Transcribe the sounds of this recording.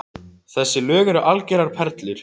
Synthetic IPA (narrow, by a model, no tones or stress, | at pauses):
θɛsːɪlœːɣɛɾʏʔalcɛɾaɾ̥pʰɛɾt̪lɪɾ̥